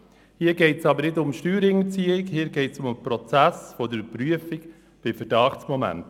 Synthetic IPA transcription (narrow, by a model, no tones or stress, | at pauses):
hiːəɡɛɪtsɑbəɾnɪdʊmʃtyːɾɪŋət͡siːɪkhiːɾɡɛɪtsʊmpɾɔt͡sæsfɔdəpɾyəfik | b̥ɪfəɾdɑːχtsmɔmæ̰nt